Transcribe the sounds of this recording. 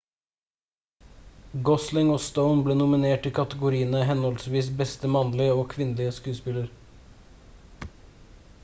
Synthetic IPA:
ɡɔslɪŋoːst̪əʊnbleːnʊmɪneːʈɪkʰɑt̪əɡʊɾiːənəɦɛnɔlsʋiːsbɛst̪əmɑnlɪəoːkʰʋɪnəlɪəskʉːspɪləɾ

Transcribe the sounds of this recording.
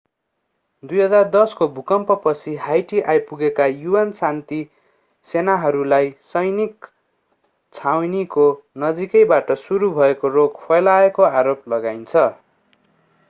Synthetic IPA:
d̪ujɦʌd͡zard̪ʌskobʱukʌmpʌpʌt͡sʰiɦajʈiʔajpuɡekajuwansant̪i | senaɦʌɾulajsʌjnik | t͡sʰawniko | nʌd͡zikʌjbaʈʌsuɾubʱʌekoroɡpʰʌjlaekoaɾoplʌɡajnt͡sʰʌ

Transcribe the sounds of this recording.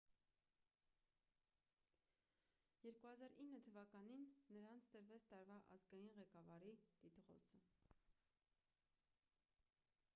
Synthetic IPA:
jɛɾkuhɑzɑɾinːət̪ʰəvɑkɑninːəɾɑnt͡sʰt̪əɾvɛt͡sʰt̪ɑɾvɑʔɑ̰zɡɑjinʁɛkɑvɑɾit̪it̪ʁɔ̰sə

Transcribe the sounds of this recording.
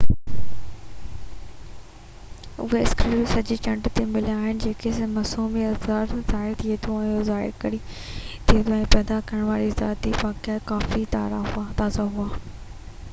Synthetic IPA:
ʊ̰ɦeɪsklusɐd͡ʑit͡ɕɐ̃ɳɖt̪emɪliaːɦɪnɪ̆d͡ʑeːkʰesmɐsuːmiɐzaːɾzaːɦɪɾt̪ʰiet̪ʰõɛ̃ːozaːɪ̰ɾkɐɾi | t̪ʰiẽt̪ʰoɛ̃ːpɛːd̪akɐɾəɽ̃ʋaːɾiza̰ːt̪iʋaːkjakaːfit̪a̰ːɾat̪aːzaɦʊaː

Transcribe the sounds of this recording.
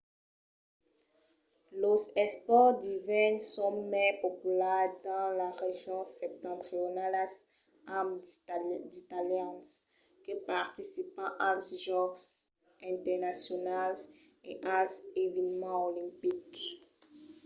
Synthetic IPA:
lozɛspɔʁd̪ivɛnsɔ̃mɛpopylɛd̪ɑ̃laʁeʒjɔ̃sɛp̚t̪ɑ̃t̪χionalas | am | d̪it̪aljɑ̃ns | kəpaʁt̪isipɑ̃ʔalsʒɔ̃ | ɛ̃t̪ɛʁnasjonalzḛʔalzevɛnmɑ̃olĩpik

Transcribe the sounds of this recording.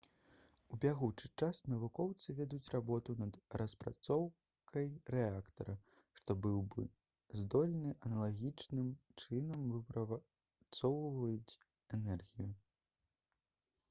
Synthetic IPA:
ubʲaɣut͡ʂɨt͡ʂasnɐvukɔwt̪sɨvʲɛd̪ut͡sʲrabɔt̪unɐd̪rɐspɾa̰t̪sɔw | kʰɐjrɛakt̪ɐɾɐ | ʂt̪ɔbɨwbɨ̰ | zd̪ɔlʲnɨʔɐnɐlˠaɣʲit͡ʂnɨmt͡ʂɨnɐmvɨpɾɐva | t̪sɔwvɐjut͡sʲ | ɛnɛrɣʲiju

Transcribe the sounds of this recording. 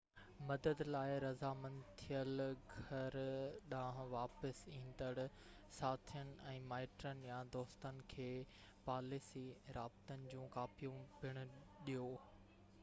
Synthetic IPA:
mɐd̪əd̪laːɪɾɐzamɐ̃nt̪ʰijəlɡʱɐɾɗãːɦʋaːpəsĩːnd̪əɽ | saːt̪ʰijənɪ̆ɛ̃ːmaːɪʈɾənɪ̆jãd̪ɔːst̪ənɪ̆kʰeː | paːlisiɾaːbɪt̪ənɪ̆d͡ʑũːkaːpijũbɪɽ̃ʊ̆ | ɗijoː

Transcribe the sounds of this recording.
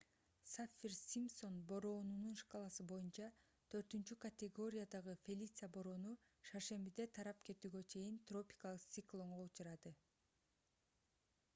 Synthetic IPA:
safʲːirsʲimpso̞nbo̞ɾo̞ːnununʃqɑlˠɑsɯbo̞junt͡ʃɑ | t̪ʰø̞ɾt̪ynt͡ʃykɐt̪ʲeɡo̞ɾʲɪjad̪ɑʁɯfʲelʲit̪sɨabo̞ɾo̞ːnu | ʃɑʃe̞mbid̪e̞t̪ʰɑɾɑpke̞t̪yːɡø̞t͡ʃʰe̞jint̪ro̞pʲi̥kɑlˠɯqt̪sʲiklˠo̞ɴʁout͡ʃɑɾɑd̪ɯ

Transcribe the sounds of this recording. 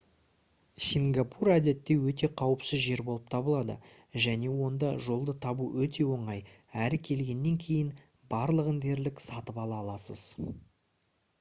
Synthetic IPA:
sʲiŋɡapʰuɾæd̪e̞t̪ːe̞wɵt̪e̞qʰɑwəpsɪzʒe̞ɾbo̞lˠəp̚t̪ʰɑbəlˠɑd̪ə̰ | ʒæne̞wo̞nd̪ɑʒo̞lˠd̪ət̪ʰɑbuwɵt̪e̞wo̞ɴɑj | æɾɪkʲʰe̞lɡʲe̞nːe̞ŋkʲʰe̞jɪn | bɑɾlˠəʁənd̪e̞ɾlɪksɑt̪əpɑlˠɑlˠɑsə̰z̥

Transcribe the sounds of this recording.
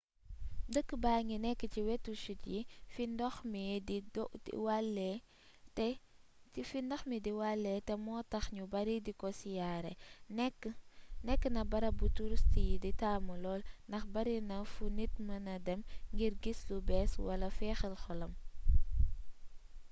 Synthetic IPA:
dəkːbaːŋinɛkːəciwɛtːuʃutjifindɔxmididɔḭwalːɛ | tɛifindɐxmidiwalːɛtɛmɔːtɐxɲubɐɾidikɔsijaːɾɛ̰kːnɛkːənɐbɐɾɐbutuɾstijiditaːmulɔːlndɐxbɐɾinɐfunit̚mɐnɐdɛmŋɡiɾɡislubɛːswɐlɐfɛːxəlxɔlɐm

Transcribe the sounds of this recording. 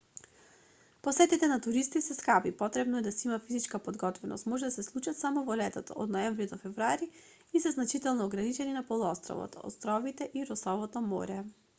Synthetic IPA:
posɛt̪it̪ɛnat̪uɾist̪isɛskapipɔt̪ɾɛbnɔɛd̪asɛimafizit͡ʃkapod̪ɡɔt̪vɛno̰st̪mɔʒɛd̪asɛslˠut͡ʃat̪samɔvɔlɛt̪at̪ɔ̰o̰d̪nɔɛɱvɾid̪ɔfɛvɾuaɾi | isɛznat͡ʃit̪ɛlˠnɔːɡɾanit͡ʃɛninapolˠuɔst̪ɾɔ̰vɔ̰t̪ɔ̰st̪ɾɔvit̪ɛʔiɾɔsɔvɔt̪ɔmɔ̰ɾɛ

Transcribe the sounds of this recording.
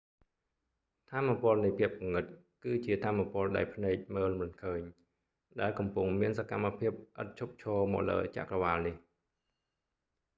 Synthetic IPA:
t̪ʰaːmːapŏəlnəjpʰiəp̚kuŋːɨt̪̚ | kɨːt͡ɕiət̪ʰaːmːapŏəlɗa̰ɛlpʰnɛːk̚məːlmɨnkʰəːɲ | ɗaɛlkɑmpʊŋmiənsakamːapʰiəp̚ʔə̰t̪̚t͡ɕʰup̚t͡ɕʰɔːmɔ̰ːlə̰ːt͡ɕa̰ʔkrɑʋaːlnih

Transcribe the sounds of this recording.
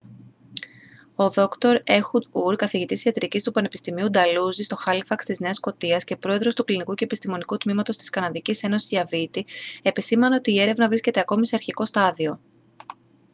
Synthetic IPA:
o̞ðo̞kt̪o̞ɾe̞xud̪uɾkɐθiʝit̪isiɐt̪ɾicist̪upɐne̞pi̥st̪imiud̪ɐluzist̪o̞xɐlfɐkst̪izne̞ɐsko̞t̪iɐsce̞pɾo̞e̞ðɾo̞st̪uklinikuce̞epist̪imo̞nikut̪mimɐt̪o̞st̪i̥skɐnɐðicise̞no̞sizɐvit̪ie̞pisimɐne̞o̞t̪iːe̞ɾe̞vnɐvɾisce̞t̪e̞ɐko̞mise̞ɐɾçiko̞st̪ɐðio̞

